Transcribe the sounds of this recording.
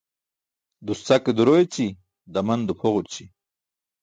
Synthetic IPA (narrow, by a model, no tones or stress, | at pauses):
d̪ust͡saked̪uɾojet͡ɕi | d̪ɐmɐnd̪upʰoʁuɾt͡ɕi